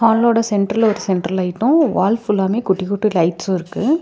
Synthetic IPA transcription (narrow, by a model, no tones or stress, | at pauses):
aːnloːɽɐsɛɳʈɾɐlɔɾɯsɛɳʈɾɐlɐɪʈːʊ̃ʋaːlfɪlːaːmeːkʊʈːɪkʊʈːɯlɐɪʈsõɪɾɯkːɯ